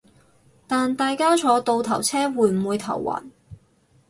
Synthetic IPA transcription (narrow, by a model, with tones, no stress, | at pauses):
t̪aː˨nt̪aː˨jkaː˥t͡ʃʰɔː˨˥t̪o˧wt̪ʰɐ˨˩wt͡sʰɛː˥wuː˨˧˥jm̩˨˩wuː˨˧jt̪ʰɐ̰˨˩wwa̰ː˨˩n